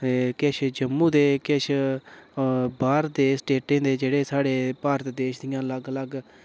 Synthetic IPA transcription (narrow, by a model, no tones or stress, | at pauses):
keʃʰd͡ʒəmːũːd̪eːkɪʃʰ | baːɾd̪eːsʈeːʈẽːd̪eːd͡ʒeːɽeːsaːɽeːpaːɾət̪d̪eːʃd̪ɪjãːləɡləɡ